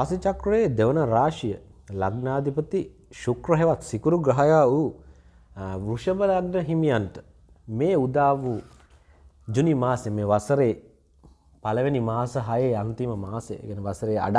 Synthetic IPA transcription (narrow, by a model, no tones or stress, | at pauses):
asit͡ʃɐkɾueːd̪eʋɐnɐɾaːʃijəlɐ̰ɡnaːd̪ʱipɐt̪iʃukɾɐɦeʋat̪sikuɾuɡɾɐɦɐjaːu | ʋɾuʂɐbɐlɐɡnɐɦimijanʈə̥ | meːud̪aːʋu | d͡ʒunimaːsemeʋɐsɐɾeː | pɐlɐʋenimaːsɐɦajeːant̪imɐmaːsḛɡɛnəʋɐsɐɾeːa̰ɖa